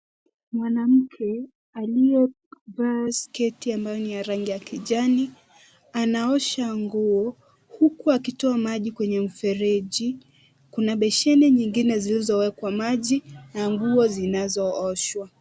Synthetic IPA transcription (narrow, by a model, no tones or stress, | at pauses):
mwanam̩kʰɛ | aliɛ | vaskɛtiambajɔnijaɾaŋɡijakiʄani | anaɔʃaŋɡuɔ | hukuakitɔamaʄikwɛɲɛm̩fɛɾɛʄi | kunaɓɛʃɛnɛɲiŋɡinɛzilizɔwɛkwamaʄinaŋɡuɔzinazɔɔʃwa